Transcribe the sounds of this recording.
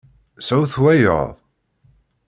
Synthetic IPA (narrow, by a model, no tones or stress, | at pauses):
səwθwæjo̰ðˤ